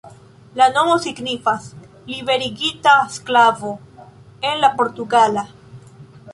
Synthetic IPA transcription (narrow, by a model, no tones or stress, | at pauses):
lanomosiɡnifas | liβeɾiɡit̪aesklavo | enlapoɾt̪uɡala